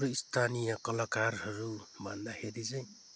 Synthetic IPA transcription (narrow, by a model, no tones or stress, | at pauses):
ɾuist̪ʰanijʌkʌlakarhʌɾumand̪aheɾit͡saj̃